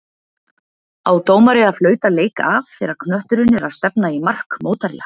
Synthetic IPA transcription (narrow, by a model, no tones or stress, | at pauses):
awt̪oːwmaɾɪaðflœːɥt̪aleːjkavfɪɾaɾkʰnœht̪ʏɾʏnɛɾaðst̪ɛpnaimar̥kmoːwt̪aɾja̰